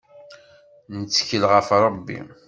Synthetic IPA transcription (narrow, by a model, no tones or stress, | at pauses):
nət͡sːə̥çəlʁəfɾˤəbːḭ